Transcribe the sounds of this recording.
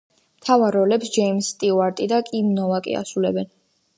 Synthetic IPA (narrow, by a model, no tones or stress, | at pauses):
mt̪ʰavaɾɔlɛpsd͡ʒɛimst̪ʼiuaɾt̪ʼid̪akʼimnɔvakʼḭa̰sulɛbɛn